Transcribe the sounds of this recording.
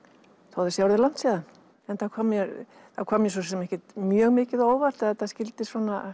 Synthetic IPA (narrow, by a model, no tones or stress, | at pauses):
θowðɪsjawɾðɪlan̥t̪saːðan | ɛnθakʰɔːmjɛɾ | θakʰɔːmjɛs̬ɔsɛmɛhcɪt̪mjœːɣmɪːcɪðoːwvar̥t̪ɪaθascɪlt̪ɪsɔːna